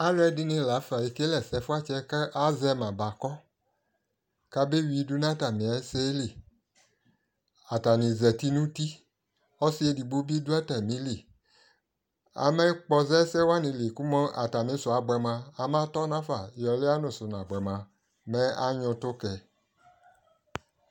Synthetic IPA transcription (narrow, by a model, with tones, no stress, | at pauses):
a˦lɛ˦dɪ˦nɪ̃˦la˨˦fa˨ji˨ke˦lɛ˨sɛ˨fʊ˦a˦t͡ʃɛ˦ka˦ʔa˦zɛ˦mã˨ba˨kɔ˦ | ka˦be˦wi˨˦du˦nã˦ta˨mĩ˨a˨˦sɛ˦li˨ | a˨ta˨nĩ˨zɛ˨ti˦nũ˦ti˦ | ɔ˦si˦e˦di˨bo˦bi˦du˦a˦ta˨mĩ˨˦li˨ | a̰˨mɛ˦k͡pɔ˧zɛ˦sɛ˦wa˦nĩ˨li˨ku˦mɔ˦a̰˨ta˨mĩ˨˦sʊ˨a˨ɡ͡bɛ˨mã˧a˨mã˦tɔ˦nã˦fa˨jɔ˨lɪ˦a˦nʊ̃˨sʊ˨n˨ã˨ɡ͡bɛ˨mã˨ | mɛ̃˦a˦ɲʊ̃˧tʊ˦kɛ˨